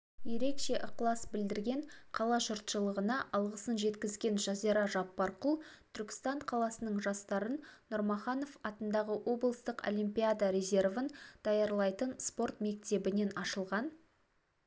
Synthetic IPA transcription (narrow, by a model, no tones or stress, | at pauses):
je̞ɾe̞kʃe̞ʔʊqlˠɑsbɪld̪ɪɾɡʲe̞ɴqʰɑlˠɑʒʊɾt̪ʃəlˠəʁənɑʔɑlˠʁəsənʒe̞t̪kʲɪzɡʲe̞nʒɑziɾɑʒɑpːɑɾqʊlˠt̪ʰʏɾkʲɪ̥st̪ɑɴqʰɑlˠɑsənəɴʒɑst̪ɑɾənːʊɾmɑχɑno̞fɑt̪ənd̪ɑʁəwʔo̞blˠəst̪əqo̰lʲimpʲijad̪aɾe̞zʲe̞rvənd̪̥ɑjɑɾlˠɑjt̪ənspo̞ɾt̪me̞k̚t̪e̞bɪne̞nɑʃəlˠʁɑn